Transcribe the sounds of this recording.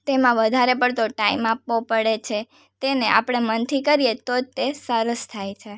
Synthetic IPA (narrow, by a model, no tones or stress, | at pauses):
t̪emãʋəd̪ʱaɾepəɳt̪oʈaimapʋõpəɽet͡ʃʰe | t̪eneʔa̰pɽ̃emənt̪ʰikəɾijet̪od͡ʒt̪esəɾəst̪ʰajt͡ʃʰe